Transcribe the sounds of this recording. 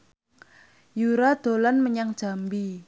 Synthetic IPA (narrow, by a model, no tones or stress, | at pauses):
juɾad̪̥o̤lanməɲaŋd̥d͡ʒ̥a̤mbi